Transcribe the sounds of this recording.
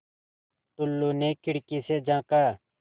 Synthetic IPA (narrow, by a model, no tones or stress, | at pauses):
t̪ʊlːuːneːkʰɪɽkiːseːd͡ʒãːkaː